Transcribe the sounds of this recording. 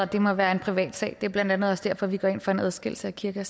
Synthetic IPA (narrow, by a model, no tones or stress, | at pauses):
ɒd̥e̝mɒ̽ʋæːɐe̝npʰʁiʋɛ̰ːd̥sɛ̰ːd̥e̝æɐb̥lænd̥ænð̞̩ˠɒ̽sd̥æɐ̰fɒ̽ʋiɡ̥ɒ̰e̝n̰fɒe̝næðˠsɡ̥e̝l̩səækʰiɐɡ̥æs